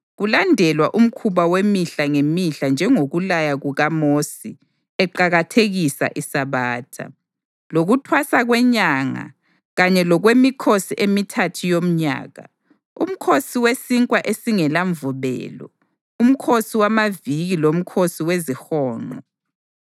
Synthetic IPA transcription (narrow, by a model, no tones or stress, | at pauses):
ɣulandʱɛlwaʔum̩kʰuβawemiɬaŋemiɬand͡ʒʱɛŋoɣulajaɣuɣamosi | ɛǃaɣatʰeɣisa̰ʔisaβaːtʰa̰ | loɣutʰwasaɣwɛɲaŋa̰ | ɣaɲɛlɔɣwemikʰosiʔemitʰatʰijom̩ɲa̰ːɣa̰ | ṵm̩kʰosiwesiŋkʼwaʔesiŋɛlaɱvuβɛ̰ːlɔ̰ | um̩kʰosiwamaviɣilom̩kʰosiwezixɔːŋ͡ǃɔ